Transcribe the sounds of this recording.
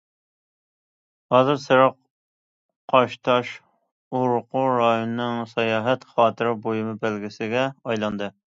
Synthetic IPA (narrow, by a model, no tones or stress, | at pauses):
hɑːzɨɾsɨɾɑq | qʰɑʃt̪ʰɑʃ | oɾʊqʰʊɾɑjonɨnɨŋsɑjɑːɦɛt̪χɑːt̪ʰɨɾɪbojumɨbælɡʲɪsɪɡʲɛɑjlˠɑnd̪ɨ